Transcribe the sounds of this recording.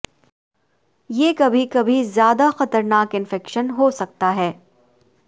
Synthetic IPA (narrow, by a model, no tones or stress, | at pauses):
jeːkɐbʱikɐbʱizjaːd̪axɐt̪əɾnaːkɪ̃nfɛkʃənɦoːsɐk̚t̪aɦɛː